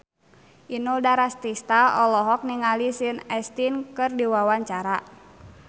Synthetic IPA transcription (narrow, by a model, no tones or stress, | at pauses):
ʔinudaɾast̪ist̪aɔlɔɦɔk̚niŋalisinɛst̪inkɨrdiwawaɲt͡ʃaɾa